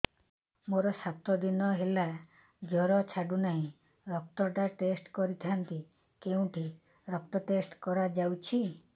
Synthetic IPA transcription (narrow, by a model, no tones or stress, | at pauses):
moɾɔsat̪ɔd̪inɔɦela | d͡ʒɔɾɔt͡ʃʰaɖunaɦĩ | ɾɔk̚t̪ɔʈaʈesʈkɔɾit̪ʰant̪i | keũʈʰi | ɾɔk̚t̪ɔʈesʈkɔɾad͡ʒawt͡ʃʰi